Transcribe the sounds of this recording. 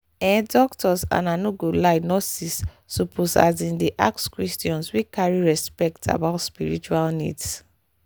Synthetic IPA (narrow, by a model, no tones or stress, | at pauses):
ɛ̃dɔktʰɔsã̰nanuɡolaɪnɔsisː | upʰosa̰zĩndeʔa̰kskɹistiɔ̃nswikaɹiɹɛspɛk̚tʰa̰baʊtspiɹit͡ʃualnḭds